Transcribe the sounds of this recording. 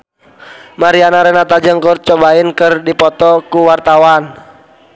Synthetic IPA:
maɾianaɾɛnat̪ad͡ʒəŋkur̚t͡ʃɔbainkɨrdipɔt̪ɔkuwart̪awan

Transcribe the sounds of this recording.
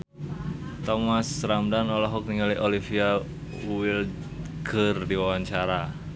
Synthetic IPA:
t̪omasɾamdanɔlɔɦʊk̚niŋaliʔolifia | wuwɪl | ɡ̥ərdiwawaɲt͡ʃaɾa

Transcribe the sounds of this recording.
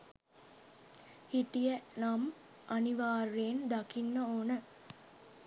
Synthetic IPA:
hiʈijənam | aniʋaːrːeːnd̪akinːəoːnə

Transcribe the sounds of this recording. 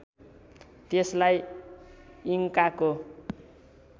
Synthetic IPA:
t̪eslaj | iŋkako

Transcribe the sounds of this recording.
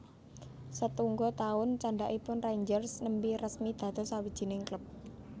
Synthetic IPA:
sət̪uŋɡɔt̪aʊnt͡ʃaɳɖaʔipʊnraɲd͡ʒərsnəmbirəsmid̪̥a̤d̪̥ɔ̤sawid̥ʒ̥i̤nɪŋkləp̚

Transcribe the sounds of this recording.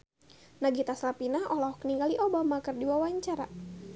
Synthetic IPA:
naɡit̪aslapinaʔɔlahukəniŋɡaliʔobamakɨrdiwawaɲt͡ʃaɾa̰

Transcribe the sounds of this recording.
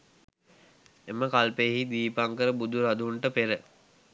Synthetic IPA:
eməkalpejəɦid̪iːpaŋkəɾəbud̪uɾad̪uɳʈəpeɾə

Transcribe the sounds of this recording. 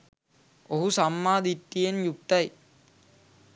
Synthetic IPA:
oɦusamːaːd̪it̪ːijenjuk̚t̪ɐj

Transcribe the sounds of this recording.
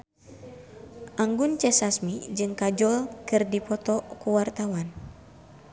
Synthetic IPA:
ʔaŋɡunt͡ʃɛsasmid͡ʒɨŋkad͡ʒɔlkɨrdipɔt̪ɔkuwart̪awan

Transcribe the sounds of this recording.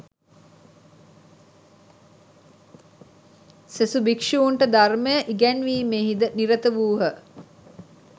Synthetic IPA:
sesubikʂuuɳʈəd̪arməjəʔiɡænʋiːmeːɦid̪əniɾət̪əʋuːɦə

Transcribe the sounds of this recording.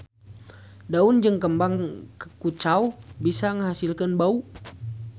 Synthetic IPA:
daund͡ʒəŋkəmbaŋkəkut͡ʃaubisaŋəɦasilkanbau

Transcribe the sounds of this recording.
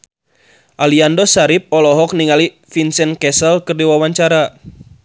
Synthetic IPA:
ʔaliandɔsaɾip̚ɔlɔɦɔk̚niŋali | finsɛnkɛsəlkɨrdiwawaɲt͡ʃaɾa

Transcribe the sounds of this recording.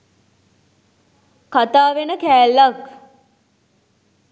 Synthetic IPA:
kat̪aːʋenəkæːlːak

